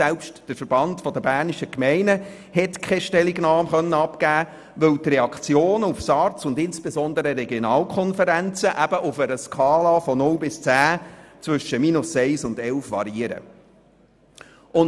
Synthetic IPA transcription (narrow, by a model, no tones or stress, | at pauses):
sɛlpʃtd̥əɾfəɾb̥ɑntfɔdəbæːrniʃəkmɛɪnə | hɛtkʰχɛʃtɛliɡnɑːmχœnːənɑpkæː | ʋɵwtrɛɑkχt͡sjoːnʊfsɑrt͡sʊndɪnsb̥ezɔndəɾəɾɛɡjɔnɑːlkʰɔnfəɾænt͡səʔæb̥əʔʊfəɾəskɑːlɑfɔnʊlbɪst͡sæːt͡sʋʏʃəminʊsɛɪsʊndɛlfʋɑ̰ɾiəɾə̰ | ʊn